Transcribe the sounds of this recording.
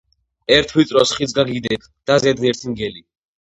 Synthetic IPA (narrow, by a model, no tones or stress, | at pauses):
ɛɾt̪ʰwit̪sʼɾɔsχit̪sʰɡaɡid̪ɛkʰ | d̪̥azɛd̪nɛɾt̪ʰiŋɡɛli